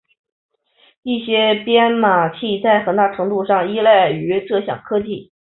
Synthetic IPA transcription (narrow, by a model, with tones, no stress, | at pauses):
i˥˩ɕjɛ˥pjɛ˥nma˨˩t͡ɕʰi˥˩t͡sa˥˩ɪxə˨˩nt̪a˥˩ʈ͡ʂʰɤ˧˥ŋt̪u˥˧ʂɑ˥˩ŋi˥la˥˩ɪy˧˥ʈ͡ʂɤ˥˧ɕjɑ̰˨˩ŋkʰɤ˥t͡ɕi˥˩